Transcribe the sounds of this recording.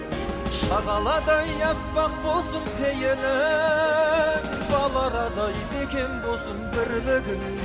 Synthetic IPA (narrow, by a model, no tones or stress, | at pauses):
ʃɑʁɑlˠɑd̪ɑjɑpːɑq̚bolˠsəmpʰejenɪ | bɑlˠɑɾɑd̪ɑjnekʲʰe̞nbosəmbɪɾlɪɡʲɪn